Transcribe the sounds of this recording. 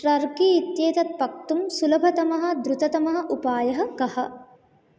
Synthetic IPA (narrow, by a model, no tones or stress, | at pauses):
ɾɐɾkiit̪jeːt̪ɐt̪̚pɐk̚t̪umsulɐbʱɐt̪ɐmɐɦɐ̆d̪ɾut̪ɐt̪ɐmɐɦɐ̆ʔupaːjɐɦɐ̆kɐhɐ̆